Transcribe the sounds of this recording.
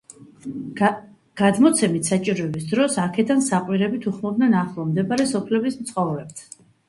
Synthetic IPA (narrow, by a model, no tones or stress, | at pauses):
ɡ̥ad̪mɔt̪sʰɛmit̪ʰsat͡ʃʼiɾɔɛbisd̪ɾɔsakʰɛd̪ansaqʼwiɾɛbit̪ʰuχmɔbd̪nɛnaχlˠɔmd̪ɛpaɾɛsɔpʰlɛbismt̪sʰχɔvɾɛp̚t̪ʰ